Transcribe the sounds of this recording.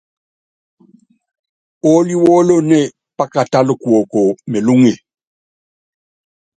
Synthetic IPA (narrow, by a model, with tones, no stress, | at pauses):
o˦li˦wɔ˦lo˦nɛ˦˨ | pa˦ka˨ta˦lʊ˨kwɔ˨ko˨me˨lu˦ŋe˨